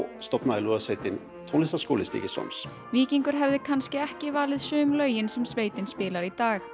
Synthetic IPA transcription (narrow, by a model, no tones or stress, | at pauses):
st̪ɔpnaðɪluːðasvejt̪ɪn | t̪ʰownɪst̪asko̰wlɪst̪ḭcɪsɔ̰ms | viːciŋkʏɾ̥ɦɛvðɪkʰanscɪɛhcɪvaːlɪðsʏːmlœːɥjɪnsɛmsveːjt̪ɪnspɪːlaɾit̪aːx